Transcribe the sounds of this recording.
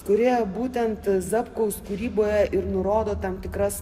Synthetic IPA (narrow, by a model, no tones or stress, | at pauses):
kʊɾʲeːjoːbuːt̪ʲɛnt̪zɐpkɐʊskuːɾʲiːboːjɛʔɪɾnʊɾoːd̪oːt̪ɐmt̪ʲɪkɾɐs